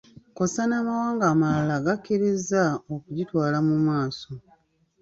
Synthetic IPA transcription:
kosanaːmawaːŋɡaːmalaɡakːiɾizaokuɟitwaːlamumaːso̞

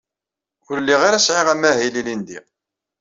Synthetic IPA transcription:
ʊɾlːiʁaɾæsʕeʁæmːæɦililind̪ḭ

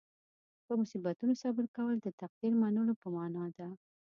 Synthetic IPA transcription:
pəmʊsibat̪unosabɪɾkawəld̪ət̪aq̚d̪iɾmanəlopəmɑnɑd̪a

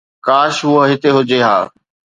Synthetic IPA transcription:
kaːʃɦʊɦoɦɪt̪eɦʊd͡ʑeɦa̰ː

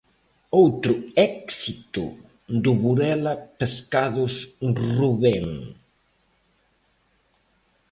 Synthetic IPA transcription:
owt̪ɾʊɛksit̪ʊ̰ | d̪uβuɾɛlɐpeskaðʊsruβɛŋ

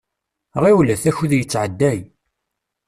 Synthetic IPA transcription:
rˤːiwlæθæçuðjət͡sːʕəd̪ːæj

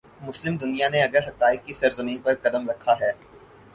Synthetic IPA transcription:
mʊslɪmd̪ʊnijaneɐɡəɾɦɐqaːɪk̚ːisɐɾzɐmiːnpɐɾkɐd̪əmɾɐkʰːaɦɛː

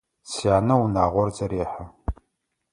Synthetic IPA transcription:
sijaːnɐunaːʁʷɔrzɐɾeːħa

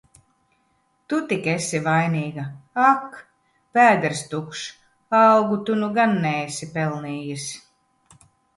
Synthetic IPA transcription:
t̪ut̪ikesivajniːɡaak | pʲæːd̪ɛɾst̪ukʃ | awɡut̪unuɡanːɛesipɛlˠniːjis

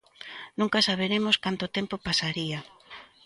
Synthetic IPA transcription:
nũŋkasaβ̞eɾemoskant̪ot̪empopasaɾia

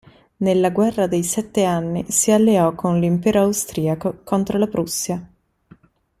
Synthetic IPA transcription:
nelːaɡwɛrːad̪ejsɛt̪ːeanːisialːeɔkʰːonlimpɛːɾoawst̪ɾiːakokont̪ɾolapɾusːja

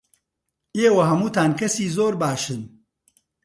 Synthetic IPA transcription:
eːwɐɦɐmuːt̪aːnkʰɐsiːzoːɾbaːʃɨn

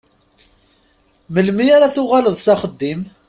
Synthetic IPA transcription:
məlmiaɾaθʊʁaləðˤsaχəd̪ːim

